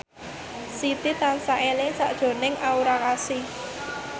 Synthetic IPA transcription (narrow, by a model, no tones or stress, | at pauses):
sit̪it̪ansaʔelɪŋsa̰ʔd̥ʒ̥o̤nɪŋʔauɾakasi